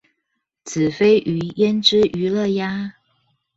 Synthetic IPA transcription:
t͡sʰɹ̩˨˩fe˥ɪʔy˧˥jɛ˥nʈ͡ʂɻ̩˥ʔy˧˥lɤ˥˩ja˥

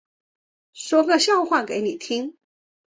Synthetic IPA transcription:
ʂwɔ˥kɤ˥˧ɕjɑ˥˧ʊxwa˥˩nke˧˥ɪni˨˩t̪ʰi˥ŋ

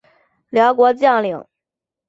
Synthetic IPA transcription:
ljɑ˧˥ʊkwɔ˧˥t͡ɕjɑ˥˩ŋli˨˩˦ŋ

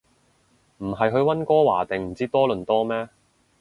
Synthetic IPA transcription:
m̩˨˩ɦɐ˨jɦɵ˧ɥwɐ˥nkɔː˥waː˨˩t̪e˨˩ŋm̩˨˩t͡siː˥t̪ɔː˥lɵ˨nt̪ɔː˥mɛː˥

